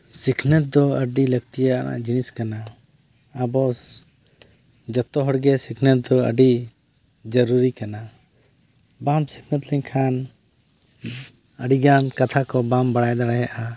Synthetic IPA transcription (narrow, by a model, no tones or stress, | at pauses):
sikʰnət̪̚d̪ɔəɖiləɡt̪ijana̰ʔd͡ʒiniskanaː | bɔ | d͡ʒət̪ːɔɦɔɽɡɛsikʰnət̪̚d̪ɔə̰ɖi | d͡ʒəɾuɾikana | bamsi̥kʰnət̪ləɲkʰan | əɖiɡankat̪ʰakɔbambaɽajd̪aɽɛɦɛʔa